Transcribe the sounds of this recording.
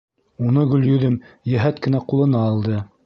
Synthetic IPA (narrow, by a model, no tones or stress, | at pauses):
unɤɡɵ̆ljɵ̆ðɘmjæɦæt̪kɘ̆næqulˠɤ̆nɑːlˠd̪ɤ